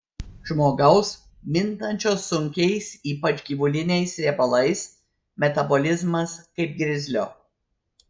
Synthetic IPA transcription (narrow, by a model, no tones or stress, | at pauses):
ʒmoːɡɐʊs | mʲɪnˑt̪ɐnʲt͡ʃʲoːsːʊŋʲkʲɛɪsiːpɐt͡ʃɡʲiːʋʊlʲɪnʲɛɪsɾʲeːbɐlˠɐɪs | mʲɛt̪ɐbolʲɪzmɐskɐɪp̚ɡɾʲɪzʲlʲoː